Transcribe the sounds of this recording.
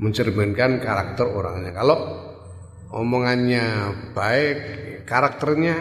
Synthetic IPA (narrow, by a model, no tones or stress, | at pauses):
məɲt͡ʃərmənkankaɾak̚t̪əroɾa̰ŋɲakalɔʔ | ɔ̰mɔŋanɲab̥aekaɾak̚t̪ərɲa